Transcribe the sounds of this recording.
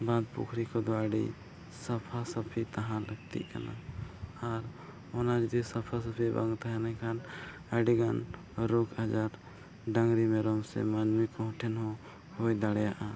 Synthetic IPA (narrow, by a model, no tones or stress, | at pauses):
bad̪̚pṵkʰɾikɔd̪ɔəɖḭ | sɐpʰasəpʰit̪aɦãləɡt̪ḭʔkana̰aɾ | ɔnad͡ʒəd̪isɐpʰas̬əpʰibã̰ŋɡt̪aɦɛnɛ̃kʰan | əɖiɡan | ɾukʰɦad͡ʒaɾ | ɖəŋɡɾimɛɾɔmsɛ̰manmikɔɦɔ̃ʈʰɛnɦɔ̃ | hojd̪aɽɛjaʔa